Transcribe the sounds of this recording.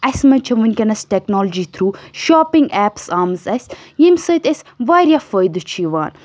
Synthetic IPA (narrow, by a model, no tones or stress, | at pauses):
ɐsmɐt͡ʃʰɐʋɐnʲkɐnɐsʈɛknɔːld͡ʒit̪ʰɾuːʃɔːpɪ̃ŋɡɛːpsaːmzɐsʲ | jimsɐjt̪ɐsʋaːɾʲjafəjd̪ɨt͡ʃʰiʋa̰ːn